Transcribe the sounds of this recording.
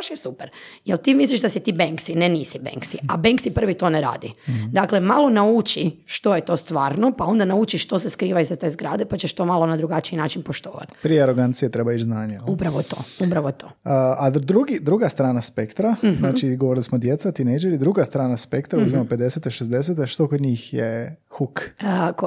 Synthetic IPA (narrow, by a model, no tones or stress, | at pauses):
aʃjesupeɾjelt̪imisliʒd̪asit̪iːbeŋksineniːsibḛŋksiʔabeŋksipr̩ʋit̪o̞neɾa̰ːd̪id̪akle̞malˠo̞naut͡ʃiʃt̪o̞jet̪o̞st̪ʋaːɾno̞pao̞nd̪anaut͡ʃiʃt̪o̞seskɾiːʋaizat̪ezɡɾaːd̪epat͡ʃeʃt̪o̞malˠo̞nad̪ɾuɡat͡ʃiinaːt͡ʃinpoʃt̪oːʋa̰t̪pɾieaɾoɡant̪sijet̪ɾebaid͡ʒznaːɲejupɾaʋot̪o̞̰ːupɾaʋot̪o̰ad̪ɾuɡid̪ɾuɡast̪ɾaːnaspekt̪ɾaznaːt͡ʃiɡoʋoɾilismod̪jet̪sat̪inejd͡ʒeɾid̪ɾuɡast̪ɾaːnaspekt̪ɾauzmamope̞d̪eset̪eʃezd̪es̬et̪eʃt̪o̞kod̪ɲiːxjexukk